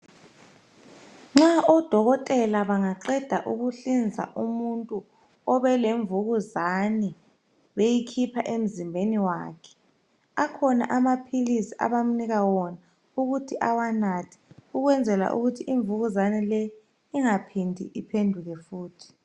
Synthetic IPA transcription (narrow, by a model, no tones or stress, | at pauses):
ŋ͡ǁaʔɔd̥ʱɔɣɔtʼɛlaβaŋaǁɛd̥ʱaʔuɣuɬind͡zʱa̰ʔumuntʼu | ɔβɛleɱvuɣuzani | βejikʰipʰaʔem̩zimbʱeniwaːkʰɛ̥ | akʰɔna̰ʔamapʰilisiʔa̰βam̩niɣawɔna | uɣutʰiʔawanatʰi̥uɣwɛnd͡zʱɛla̰ʔṵɣutʰiʔiɱvuɣuzanilɛ | iŋapʰindʱḭipʰendʱuɣɛfuːtʰi̥